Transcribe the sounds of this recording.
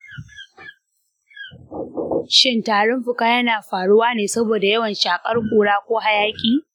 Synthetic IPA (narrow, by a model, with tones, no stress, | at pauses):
ʃɪ˦ntaː˨ɽʊ˦mɸʊ˨kaː˦jɐ˦naː˨ɸaː˨ɽʊ˦waː˦neː˨sɐ˦boː˨da˨jɐ˦wɐ˨nʃaː˨kʼɐ˦rkʷʼuː˨ɽaː˦kʷoː˦ha˨jaː˦kʲʼiː˨